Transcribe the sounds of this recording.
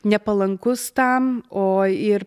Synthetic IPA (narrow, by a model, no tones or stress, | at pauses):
nʲɛpɐlˠɐŋkʊst̪ɐmoːɪɾ